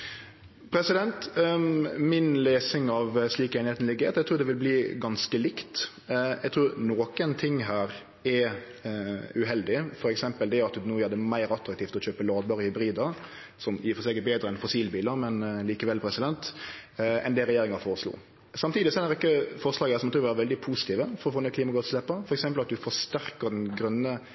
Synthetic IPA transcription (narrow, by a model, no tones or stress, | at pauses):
pʰɾɛsɪd̪ɛnt̪ | mɪnleːsɪŋɑʋsliːkeːnɪheːt̪n̩lɪɡəheːt̪ɛɡt̪ɾʉːd̪ɛʋɪlbliːɡɑnskəlɪkt̪ | ɛɡ̚t̪ʰɾʉːɾnoːkənt̪ʰɪŋːɦæːɾ | ɛ | ʉɦɛld̪ɪfɔɾɛksɛmpəld̪ɛɑt̪nuːjæːd̪ɛmæɪɾɑt̪ɾɑk̚t̪iːft̪ɔt͡ɕøːpəlɑːd̪bɑɾɪhʏbɾiːd̪əsɔmjiːfɔsøːkət̪̚beːd̪ɾəɛnfʊsiːlbiːləɾmɛnliːkəʋɛlpʰɾɛsɪd̪ɛnt̪ | ɛ̰nd̪ɛɾɛjeːɾɪŋɑfoːɾəslṵː | sɑmt̪ʰiːd̪ɪsɔæɾɪkːəfɔʁslɑːɡəæsɔmɑt̪ʰʉːʋæːɾəʋɛld̪ɪpʰuːsɪ̥t̪ʰiːʋəfɔɾɔfoːnɛkʰliːmɑɡɑt̪slɛpːəfɔɾɛksɛmpəlɑt̪̚d̪ʉfɔʂt̪æɾkəɾd̪ɛnɡɾœnːə